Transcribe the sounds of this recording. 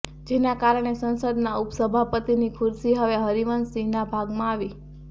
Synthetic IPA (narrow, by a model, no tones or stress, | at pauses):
d͡ʒenakaɾəɳ̃esə̃nsəd̪naupsəbʱapət̪inikʰʊɾsiɦəʋeɦəɾiʋənsinabʱaɡmãaʋi